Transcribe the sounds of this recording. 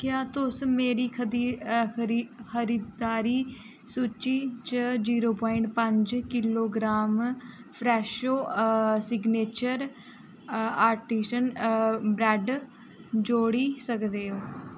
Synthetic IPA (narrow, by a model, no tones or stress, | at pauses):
kjaːt̪ʊsmeːɾiːkʰəd̪iːɾxʰəɾiːd̪d̪aːɾiː | suːt͡ʃiːt͡ʃəd͡ʒiːɾoːpɔːiɪɳʈ̚pəɲd͡ʒkɪloːɡɾaːmpʰɾɛːʃoːsɪɡneːt͡ʃəɾ | aːɾʈiːʃənbɾɛːɖ | d͡ʒoːɽiːsəkd̪eːoː